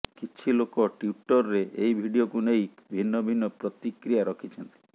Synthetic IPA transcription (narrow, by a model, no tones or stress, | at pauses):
kit͡ʃʰilokɔʈjuʈɔɾɾeʔejbʱiɖiokunejbʱinːɔbʱinːɔpɾɔt̪ikɾijaɾɔkʰit͡ʃʰɔnt̪i̥